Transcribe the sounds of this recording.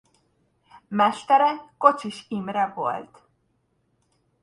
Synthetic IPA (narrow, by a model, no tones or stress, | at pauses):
mɛʃt̪ɛɾɛkot͡ʃiʃimɾɛvo̰lt̪